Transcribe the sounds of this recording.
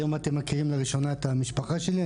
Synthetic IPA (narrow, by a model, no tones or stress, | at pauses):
jomat̪emːakiʁimleʁiʃo̞naet̪amiʃpaχaʃeli